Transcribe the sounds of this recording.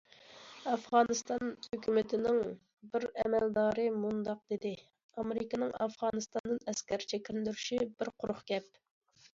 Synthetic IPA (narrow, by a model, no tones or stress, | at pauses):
ɑfʁɑːnɨst̪ɑnhøkʲʰymɪt̪ʰɪnɪŋ | bɪɾɛmɛld̪ɑːɾɨmund̪ɑq̚d̪ed̪ɪ | ɑmɪɾɪkʲɪnɪŋɑ̰fʁɑːnɨst̪ɑnd̪ɨnɛskʲæɾt͡ʃʰɛkʲilɪd̪yɾyʃibɪɾqʰʊɾʊχɡʲɛp̚